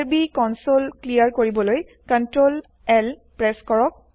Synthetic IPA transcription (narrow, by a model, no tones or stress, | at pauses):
ɹbikɔnsolklijaɹkoɹibɔloj | kɔntɹol | ɛlpɹɛskɔɹɔk̚